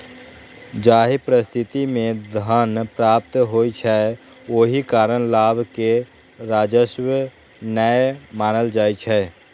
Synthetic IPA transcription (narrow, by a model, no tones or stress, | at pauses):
d͡ʒaːɦipɾəst̪ʰit̪imẽd̪ʱənpɾaːp̚t̪ɦojt͡ʃʰɛ | oɦikaɾəñlabʱke | ɾaːd͡ʒəʃwə | nəjmaːnəld͡ʒaːjt͡ʃʰɛ